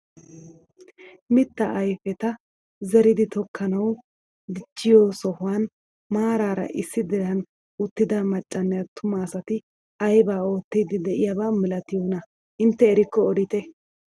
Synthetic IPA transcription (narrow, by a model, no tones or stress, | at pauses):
mɪt̪ːɐʔɐjfɛt̪ɐ | zɛɾɪd̪ɪt̪ɔkʰːɐnɐw | d̪ɪt͡ʃːɪjoːsɔhʊwaːn | maːɾaːɾɐ̰ʔɪsːɪd̪ɛɾɐn | ʊt̪ːɪd̪ɐmɐt͡ʃʼːɐnːɛjɐt̪ʊmɐːsɐt̪ɪ | ɐjbaːo̞ːt̪ːiːd̪ɪd̪ɛʔɪjabaːmɪlɐt̪ɪjoːnɐ | ɪnt̪ːɛːɾɪkːɔːɾɪt̪ɛ